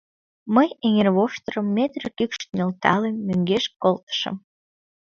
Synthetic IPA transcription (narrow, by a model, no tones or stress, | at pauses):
məjeŋerβoʃt̪ərəmːet̪ɾekykʃt̪nelt̪ɑ̰lemːøŋɡeʃkolt̪ə̥ʃə̰m